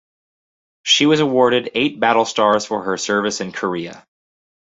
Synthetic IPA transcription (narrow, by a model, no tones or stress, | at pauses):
ʃiwʌzəwɔɹɾɨɾeɪt̚b̥æɾl̩ˠstɑɹz̥fə˞ə˞sɜ˞vɨsɨ̃nkʰə˞iɨ̰